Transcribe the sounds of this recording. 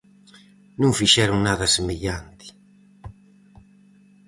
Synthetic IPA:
nũŋfiʃɛɾuŋnaðɐsemeʎant̪ɪ̥

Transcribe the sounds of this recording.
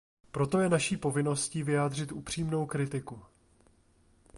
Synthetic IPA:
pɾo̞t̪o̞jɛnaʃiːpo̞vɪno̞sciːvɪjaːd̪r̝ɪt̪ʔupr̝̥iːmno̞wkɾɪt̪ɪku

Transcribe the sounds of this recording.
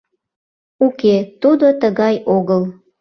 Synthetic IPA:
uket̪ud̪ot̪əɣɑjoɣəl

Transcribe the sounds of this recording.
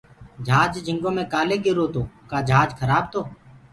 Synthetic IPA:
d͡ʒʱaːd͡ʒd͡ʒʱɪŋɡõːmẽːkaːleːɡɪɾoːt̪oːkaːd͡ʒʱaːd͡ʒkʰəɾaːb̚t̪oː

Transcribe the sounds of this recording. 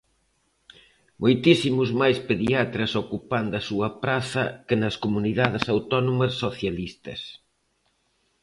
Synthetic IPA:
mʔojt̪isimʊzmajspeðiat̪ɾɐsokupand̪ɐsuɐpɾaθɐkɪnɐskomuniðaðɪsawt̪ɔnomɐsːoθjalist̪ɐ̰s

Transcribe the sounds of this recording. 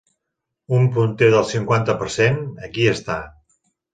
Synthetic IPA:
umpunt̪eðəlˠsiŋkwant̪əpəɾsenəkiəst̪a

